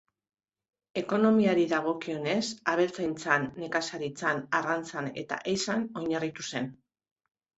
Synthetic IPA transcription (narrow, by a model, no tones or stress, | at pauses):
e̞ko̞no̞miaɾiðaɣ̞o̞kio̞ne̞saβ̞e̞lt͡sajnt͡sanːe̞kasaɾit͡sanarant͡sane̞̰t̪a̰ʔejsano̞ɲarit̪use̞n